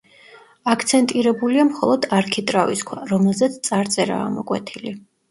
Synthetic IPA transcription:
akʰt̪sʰɛnt̪ʼiɾɛbuliamχɔ̰lˠɔd̪aɾkʰit̪ʼɾaviskʰwaɾɔmɛlˠzɛt̪sʰt̪sʼaɾt̪sʼɛɾa̰ːmɔkʼwɛt̪ʰili

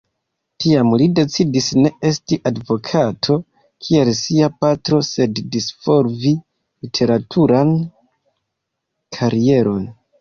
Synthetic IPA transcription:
tiamlide̞t͡sidisne̞e̞stiʔadvo̞kʰatʰo̞ | kʰie̞lsiapatɾo̞se̞dːisfo̞ɾvi | litʰe̞ɾatʰuɾan | kʰaɾie̞ɾo̞n

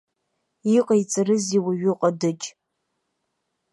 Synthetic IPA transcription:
iqʼait͡sʼarɨziwaɥʊqʼadɨd͡ʒʼ

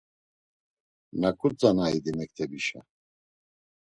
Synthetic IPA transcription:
nakʰut͡sanaid̪imɛk̚t̪ʰɛbiʃa̰

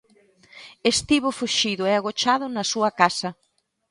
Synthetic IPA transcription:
est̪iβʊfuʃiðʊɛaɣot͡ʃaðʊnɐsuɐkasɐ

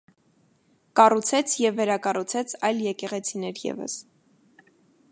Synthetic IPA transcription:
kɑrut͡sʰɛt͡sʰjɛvːɛɾɑkɑrut͡sʰɛt͡sʰɑjljɛkɛʁɛt͡sʰinɛɾjɛ̰və̰s

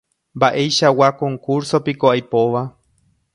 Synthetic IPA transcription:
mbaʔe̞jʃawakõ̞ŋkuɾso̞pikoajpoʋa

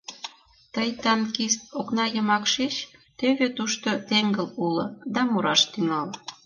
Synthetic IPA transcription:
t̪əjt̪ɑnkist̪̚oknɑjəmɑkʃet͡ɕt̪øβet̪uʃt̪ot̪eŋɡə̆lulɤ̆d̪ɑmuɾɑʃt̪yŋɑl

